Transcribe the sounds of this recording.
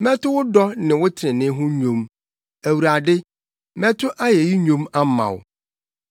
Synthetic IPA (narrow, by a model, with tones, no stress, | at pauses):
mɛ̃˦tʊ˦wʊ˦dɔ˦nɪ̃˨wʊ˦tʰɪ˨ɾɪ̃˨nɪ̃˦ɦʊ̃˦ɲᶣõ˨˦m | æ˨wu˨ɾa˨dɪ˦ | mɛ̃˦tʰʊ˦ʔa˦jɛ˨ji˦ɲᶣõ˦ma˦mã̰˨wʊ˨